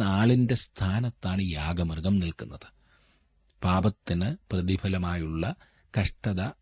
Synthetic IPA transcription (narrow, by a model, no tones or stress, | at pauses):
naːɭinde̞st̪ʰaːnɐt̪ːaːɳɨjaːɡɐmɐrɡɐmnilkunːɐðɨ̥ | paːbɐt̪ːinɨprɐðibʰʱɐlɐmaːjuɭːɐ | kɐʂʈɐðɐ